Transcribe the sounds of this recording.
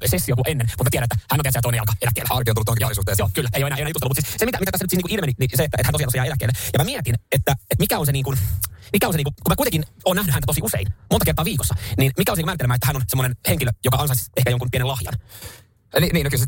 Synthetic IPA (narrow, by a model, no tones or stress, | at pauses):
sesːiokuʔenːenmut̪mætiæɾænet̪ːæhænːonæsiæt̪oˑinejɑlkɑelækːˑḛːlæɑkionuːut̪ojoisuːt̪eːjoːkylːæejoeæːejoeæjust̪lːumut̪sissemit̪æmiæt̪æsːnyt̪siːtniːkuʔilmeniniseet̪ːæʔet̪hæntosijɑt̪ːsijɑelækˑːḛlːæjɑmæmiæt̪inet̪ːæet̪mikæonseniːŋkunmikæonseniːkukumæːkuit̪eŋkinoːnæhnyænæt̪osiusḛinmonɑert̪oɑːʋiːkosːɑniːnmikæonseiumæːrt̪elemæːet̪ːæhænonsemːonenheŋkiløjokɑɑnsɑisehkæjoŋkumpienelɑhjɑ̰n | liniːnokyls